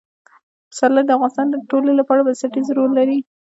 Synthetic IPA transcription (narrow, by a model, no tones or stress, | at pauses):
msɑlad̪əafɣɑnɪst̪ɑnd̪əʈolelapɑɽabasaʈizɾolːaɾi